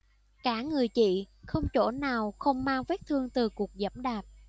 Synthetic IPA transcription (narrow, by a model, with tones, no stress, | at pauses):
kaː˧˥ŋɨ˨˩əjt͡ɕḭ˧˨xə˧wŋ͡mt͡ɕo˧˩˥naː˨˩wxə˧wŋ͡mmaː˧ŋve˦˥t̚t̪ʰɨ˧əŋt̪ɨ˨˩ku˨˩ək̚zə̰˧˦mɗaː˨˩p̚